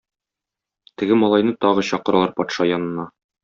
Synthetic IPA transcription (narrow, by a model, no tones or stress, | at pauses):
t̪ɘ̆ɡɘmɒlˠɑjnɤt̪ɒʁɤɕɒqɤ̆ɾɑlˠɑɾpɒt̪ʃɑjɒnɤ̆nːɑ